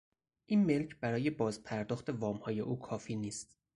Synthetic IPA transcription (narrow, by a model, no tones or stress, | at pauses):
ʔiːnme̞lcʰbæɾɒːje̞bɒːzpʰæɾd̪ɒːxt̪e̞vɒːmhɒːje̞̰ʔuːkʰɒːfiːniːst̪